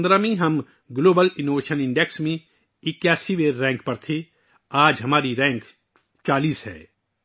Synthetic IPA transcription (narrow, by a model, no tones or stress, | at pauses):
nd̪ɾamẽɦɐm | ɡloːbəlɪnoːʋeːʃənɪ̃ɳɖeksmẽ | ɪkjaːsiʋeːɾːɛ̃ːŋkpɐɾt̪ʰe | aːd͡ʒɦɐmaːɾiɾɛ̃ːŋk | t͡ʃaːliːsɦɛ̰ː